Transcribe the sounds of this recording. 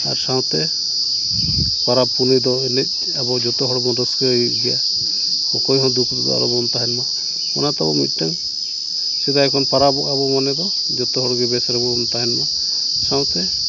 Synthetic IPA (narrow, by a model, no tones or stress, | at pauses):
a̰ɾsaw̃t̪ɛ | paɾapunid̪ɔinɛt̚ˀ | abɔd͡ʒɔt̪ɔɦɔɽbɔnɾɔskəɡija | hɔkɔjɦɔ̃d̪ukʰd̪ibɔ̰a̰ɾɔbɔnt̪aɦɛnmɔ | mɔ̰nat̪abɔmḭt̪̚ʈaŋ | sɛd̪aɛkʰɔnpaɾabɔʔabɔmanɛd̪ɔ | d͡ʒɔt̪ɔɦɔɾɡɛbɛsaɾɔbɔnt̪aɦɛnmɔ | saw̃t̪ɛ